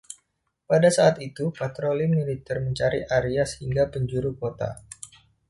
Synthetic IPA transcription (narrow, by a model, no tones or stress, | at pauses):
padasaːt̪it̪upat̪ɾolimilit̪ɛrməɲt͡ʃaɾiʔaɾiashiŋɡapəɲd͡ʒuɾukot̪a̰